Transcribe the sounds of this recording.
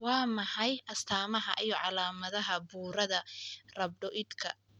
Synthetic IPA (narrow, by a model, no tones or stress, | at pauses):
wɑːmɐħɑjʔɐst̪ʰaːmɐɦɐ̰ʔijɞʕɑlaːmɐðɐɦɐbuːɾɐðɐrɐb̚ɖɔʔɪd̪kʰɐ̰